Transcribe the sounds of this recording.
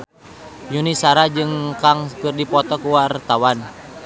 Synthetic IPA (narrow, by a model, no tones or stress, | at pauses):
junisaɾad͡ʒɨŋkaŋkɨrdipɔt̪ɔkuwart̪awan